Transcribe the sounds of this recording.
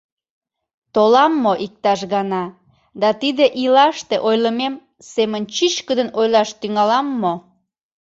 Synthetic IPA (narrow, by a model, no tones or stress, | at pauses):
t̪olɑmːoʔik̚t̪ɑʃɣɑnɑ | d̪ɑt̪id̪eʔilɑʃt̪eʔojləmem | semənt͡ɕit͡ɕkəd̪ənojlɑʃt̪yŋɑlɑmːo